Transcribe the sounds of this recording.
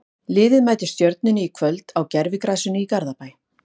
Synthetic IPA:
lɪːðɪðmaːjt̪ɪst̪jœɾt̪̚nʏnːɪikʰvœlt̪awcɛɾvɪkɾaːsʏnːɪikaɾðapaːj

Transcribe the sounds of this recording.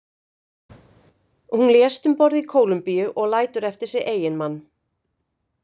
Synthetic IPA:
hunljɛst̪ʏmpɔɾðikʰoːwlʏmpijʏʔɔɣlaːjt̪ʏɾɛft̪ɪɾ̥sɪɣʔeːjɪnmanː

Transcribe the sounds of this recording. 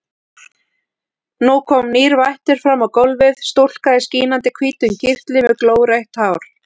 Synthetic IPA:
nukʰɔmniːɾvajht̪ɪɾ̥fɾamːawkowlvɪðst̪ol̥kaðɪsciːnant̪ɪkʰviːt̪ʏncɪr̥t̪lɪmɛðkloːwrejht̪haːwɾ̥

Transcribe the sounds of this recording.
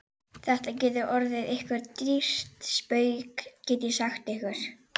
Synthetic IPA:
θɛht̪acɛːt̪ʏʔɔɾðɪðehkvɪɾt̪ɾist̪spœːɥkcɛːt̪ɪsaxt̪ɪhkvɛɾ̥

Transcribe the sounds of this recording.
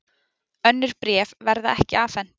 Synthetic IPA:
œnːʏɾ̥pɾɛːvvɛɾðaɛhcɪ̰aːfɛn̥t̪

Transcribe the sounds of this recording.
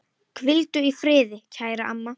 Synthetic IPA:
kʰvɪlt̪ʏifɾɪːðɪcʰaːjɾaʔamːa

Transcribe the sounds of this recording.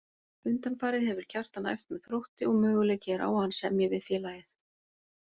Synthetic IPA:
ʏnt̪anfaːɾɪðhɛvʏɾ̥cʰar̥t̪ana̰jft̪mɛðθɾowht̪ɪɔɣmœːɣʏleːjcɪɾa̰ːwhanːsɛmjɛvɪðfjɛːlajɪθ

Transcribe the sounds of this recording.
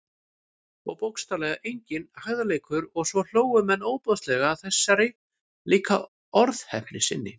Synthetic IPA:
ɔ̰wpowkst̪alɛːɣaʔejɲcɪnhaɣðaleːjkʰʏɾɔɣsvɔl̥oːwʏmɛnːoːwpɔðst̪lɛɣaːðθɛsːaɾɪ | liːkʰa | ɔɾðhɛpnɪsɪ̰nːɪ̰

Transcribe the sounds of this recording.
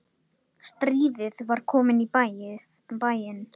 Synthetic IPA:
st̪ɾiːðɪðvaɾ̥kʰɔːmɪnipajɪ | bajɪn

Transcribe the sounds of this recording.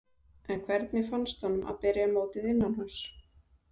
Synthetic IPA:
ɛnkʰvɛɾt̪nɪfanst̪hɔnːʏmʔa̰ðpɛɾɪamoːwt̪ɪðɪnːanhɔns

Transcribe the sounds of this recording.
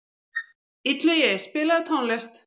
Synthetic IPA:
it̪lɪjɛspɪːlaðt̪ʰɔwnlɛst̪

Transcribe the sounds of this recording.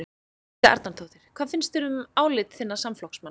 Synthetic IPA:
aɾt̪nant̪ʰoːwθɪɾ̥kʰvaːðfɪnst̪ɪɾʏmaːwlɪt̪θɪnːasamflɔhksma

